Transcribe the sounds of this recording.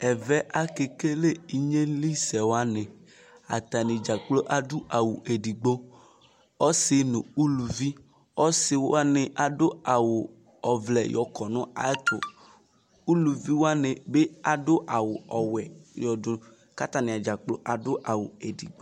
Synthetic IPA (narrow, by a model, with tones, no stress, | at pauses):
ɛ˨vɛ˦ʔa˦ke˨ke˦le˦i˨ɲe˦li˦sɛ˨wo˦a˦nẽ˨ | a̰˨t̪a˨nɪ˨d͡ʒa˨k͡plo˦ʔa˨dʊ˦ʔa˨wu˨e˨di˨ɡ͡bo˦ | ɔ˦sɪ˦nʊ̃˨u˦lu˨vi˦ | ɔ˦sɪ˨wa˦nɪ˨ʔa˨dʊ˦a˨wʊ˨ | ɔ˨vlɛ˨jɔ˨kʰɔ˨nʊ̃˦a̰˨˦t̪ʰʊ̰˨ | u˦lu˨vi˦wo˦a˦ne˨be˦a˨dʊ˦ʔa˨wʊ˨ɔ˨wɛ˨jɔ˨dʊ˨ | ka˦t̪a˦nɪ˨a˨d͡ʒa˨k͡plo˦ʔa˨dʊ˦ʔa˨wu˨e˨di˨ɡ͡bo˦